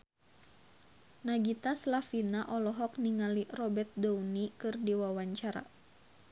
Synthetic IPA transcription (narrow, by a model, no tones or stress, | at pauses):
naɡit̪aslafinaʔɔlɔɦɔk̚niŋalirɔbɛrt̪̚dɔwnikɨrdiwawaɲt͡ʃaɾa̰